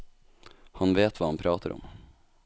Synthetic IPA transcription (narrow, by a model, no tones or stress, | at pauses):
hɑnveːt̪vʋɑːhɑnpʰɾɑːt̪ʰəɾʔɔ̰m